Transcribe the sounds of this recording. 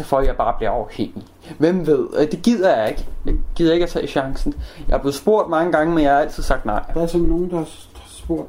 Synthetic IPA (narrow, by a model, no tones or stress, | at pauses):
fɒjɑ̈ɪb̥ɑ̈ːb̥liɐɒʊheŋ̰i | ʋem̰ʋe̝ð̞̰ˠd̥e̝ɡ̥ið̰ˠɐjɑeɡ̥deɡ̥ið̰ˠɐje̝ɡ̥æt͡sʰɛːɕɑ̈ŋsn̩jɑhɑb̥le̝ð̩ˠsb̥o̝ɐ̰d̥mɑ̈ŋəɡ̥ɑ̈ŋəmenjɑhæl̰t͡sʰið̰ˠsɑ̈ɡ̥̚d̥nɑ̈ɪ̰d̥æɐsɔnno̝ːn̩d̥ɑ | d̥sb̥o̝ɐ̰d̥